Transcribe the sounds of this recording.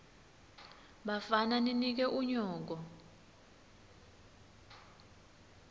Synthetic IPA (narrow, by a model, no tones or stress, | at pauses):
ɓafananinik̬ɛʔuɲɔːk̬ɔ